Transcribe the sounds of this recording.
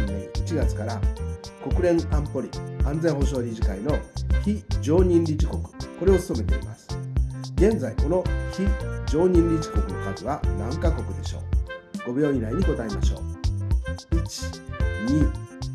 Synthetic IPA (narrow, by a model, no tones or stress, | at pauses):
it͡ɕiɡat͡sɨ̥kaɾako̞kɯ̟ɾẽ̞ŋãmpo̞ɾʲḭãnd͡zẽ̞ɰ̃ɦo̞ɕo̞ːɾʲiʑikaino̞çid͡ʑo̞ːɲ̟ĩnɾʲit͡ɕiko̞kɯ̥ko̞ɾe̞osɨ̥so̞me̞t̪e̞̰ḭmasɨ̥ɡẽ̞nd͡zaiko̞no̞çid͡ʑo̞ːɲ̟ĩnɾʲit͡ɕi̥ko̞kɯ̟no̞̰kaziβanãŋkako̞kɯ̟d̪e̞ɕo̞̰ːɡ̥o̞bʲo̞ːɲĩɾaiɲ̟iɡo̞t̪aima̰ɕo̞̰ː | it͡ɕi̥ɲi